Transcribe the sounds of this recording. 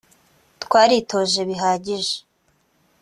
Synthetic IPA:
tkwaːɾitʰo̞ːʒe̞βiɦaːɟiʒe̥

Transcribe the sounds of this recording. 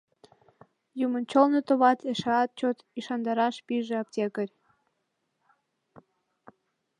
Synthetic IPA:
jumənt͡ɕolnot̪oβɑt̪eʃeɑt̪̚t͡ɕot̪iʃɑnd̪ɑɾɑʃpiʒeɑp̚tʲekəɾʲ

